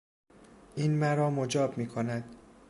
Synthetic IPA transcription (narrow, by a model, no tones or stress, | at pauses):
ʔiːnmæɾɒːmod͡ʒɒːbmiːkʰonæd̪̥